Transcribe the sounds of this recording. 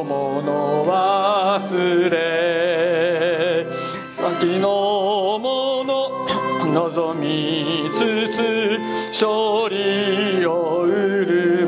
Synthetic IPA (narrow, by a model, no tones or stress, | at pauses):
monoβasɨɾe | sã̰ŋkʲinomono | nozomʲit͡sɨt͡sɨ | ɕoɾʲioɯɾɯ